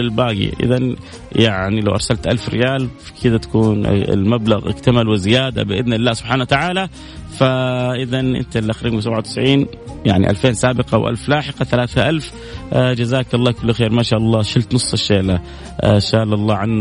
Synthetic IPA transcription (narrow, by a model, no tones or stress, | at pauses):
ɪlbaːɡḭʔɪ̰ðan | jaʕnilawʔɑ̰ɾˤsalt̪ʔalfɾɪ̰jaːlfi̥kʰɪd̪at̪ḁkuːnɪ̰lmablaɣʔɪ̰k̚t̪amalwɪzɪjaːd̪a̰bɪʔɪd̪nlːaːsʊbħaːnawat̪aʕaːla | faʔɪðanʔɪ̰nt̪alːʔaxɾiːws̬abʕawt̪ɪ̥sʕiːn | jaʕnḭʔa̰lfeːnsaːbɪqɑwʔa̰lflaːħɪqɑθalaːθaʔalf | d͡ʒazaːkɑlˤːɑːkʊlːxeːɾmaːʃaːʔɑlˤːɑːʃɪlt̪nʊsˤːɪʃːeːla | ʃaːlɑlˤːɑːʕanː